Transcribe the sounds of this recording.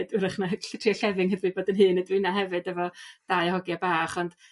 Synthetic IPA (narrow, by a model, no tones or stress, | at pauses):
dɪɾəχnaɬɪtʰriɔɬɛvɪŋhəðwɨboːdənɦɨːnədwinaɦɛvɨdɛvɔd̥ajhɔɡjabaːχɔnd̥